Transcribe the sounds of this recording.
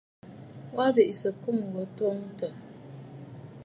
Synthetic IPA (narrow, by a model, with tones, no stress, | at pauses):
wa˦be˨ʔi˨sə˨ku˦˨m˨ɡɔ˨twɔ˦ŋ˦tə˨